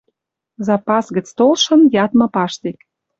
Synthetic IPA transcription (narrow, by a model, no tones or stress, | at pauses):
zɑpɑsɣə̆t͡st̪olʃə̆njɑt̪mɤ̆pɑʃt̪ek